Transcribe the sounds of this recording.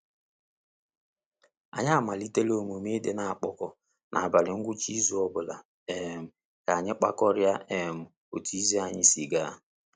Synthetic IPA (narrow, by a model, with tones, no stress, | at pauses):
a̰˨ɲa˦˨ma˨li˦te˦lo˦mu˨m˦e˦de˦na˨a˨k͡pɔ˦kɔ˨ | nʔa̰˨a˨ba˨lɪ˨ŋ̩˦ɡʷʊ˦t͡ʃi˦zu˦ɔ˦bʊ˨la˨ | e˨m̩˨ | ka˨a˨ɲɪ˦k͡pa̰˦kɔ˦ɾja˦e˨m̩˨ | o˨tu˦i˦zi˦a˨ɲɪ˦si˨ɡa˦